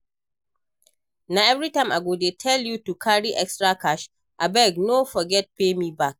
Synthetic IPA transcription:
naɛvɹitãɪ̃maɡodetʰɛljutukʰaɹiʔɛkstɹakaʃ | ʔabɛɡnofɔɡɛt̚pemibak̚

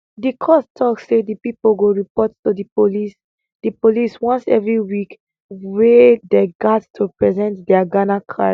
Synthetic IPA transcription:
dikʰɔstʰɔkssedipipoɡoɹipɔttudipolis | dipoliswɔ̃nsɛ̰vɹiwik | wedeɡattʰupɹɛzɛ̃ntdɛaɡanakʰa̰

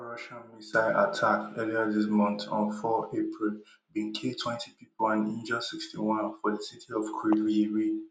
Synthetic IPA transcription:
ɹʌʃãnmisaɪʔa̰tʰakɛliəðɪsmʌ̃nθɔ̰̃nfɔepʰɹilˠ | bĩŋkʰetʰwɛ̃ntʰipʰipəlãnĩnd͡ʒə̃sikstiwʌ̃nfɔðəsitʰiɔvkʰiiɹi

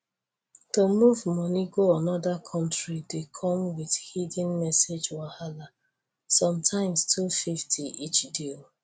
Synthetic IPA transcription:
tomuvmɔniɡoanɔdakʰɔ̃ntɹidekʰɔ̃mwiðhidĩnmɛsed͡ʒwahala | sɔ̃mtʰãɪ̃mstʰufiftʰiit͡ʃdil

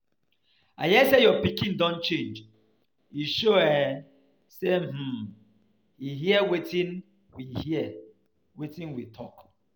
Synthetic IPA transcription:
a̰jɛsejɔpikĩndɔ̃nt͡ʃẽnd͡ʒ | iʃoɛ | sem̥̩ | hiɦiɛwetĩn | wihiɛ | wetĩnwitʰɔk

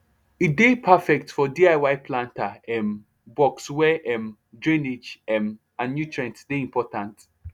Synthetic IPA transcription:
idepʰafɛk̚tfɔdiaɪwaɪpʰlãntaɛm | bɔkswɛʔɛm | dɹĩned͡ʒɛm | ãnnjutʰɹɛ̃ntsdeĩmpʰɔtãnt

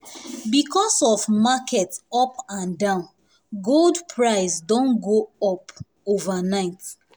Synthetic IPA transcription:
bikʰɔsɔvmakʰɛtɔpãndãʊ̃n | ɡoldpʰɹaɪsdɔ̃nɡoɔp | ovanaɪt

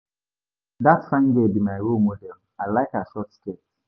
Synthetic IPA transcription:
datfãŋɡebimajɹomodɛlˠ | aɪlaɪkaʃɔtsket

